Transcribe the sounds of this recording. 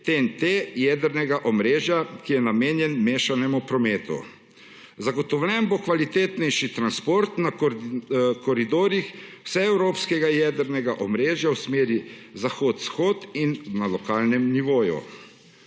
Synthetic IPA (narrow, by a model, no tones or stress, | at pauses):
t̪ent̪ejɛd̪ɛɾnɛɡaʔɔmɾeːʒjakijɛnameːnjɛnmeːʃanɛmupɾɔmeːt̪ṵ | zaɡɔt̪ɔwlʲɛnbokʋalit̪eːt̪nɛjʃit̪ɾanspoːɾt̪na | kɔɾid̪oːɾjixwsɛɛwɾoːpskɛɡajɛːd̪ɛɾnɛɡaʔɔmɾeːʒjawsmeːɾizaxoːt̪sxoːt̪innalɔkaːlnɛmniʋoːjṵ